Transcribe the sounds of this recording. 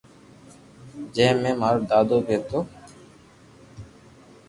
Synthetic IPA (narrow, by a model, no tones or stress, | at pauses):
d͡ʒɛːmemaɾd̪aːd̪obeːt̪oː